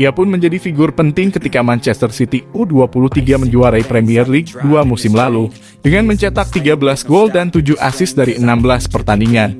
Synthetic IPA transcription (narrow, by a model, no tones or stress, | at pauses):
ʔiapʊnməɲd͡ʒadifiɡʊrpənt̪ɪŋkət̪ikamant͡ʃɛst̪ərsit̪iuduapuluht̪iɡaməɲd͡ʒuaɾaipɾɛmiɛrliɡ̚duamusɪmlalu | dəŋanməɲt͡ʃat̪ak̚t̪iɡabəlasɡoldant̪ud͡ʒuha̰sɪsdaɾiənambəlaspərt̪andiŋan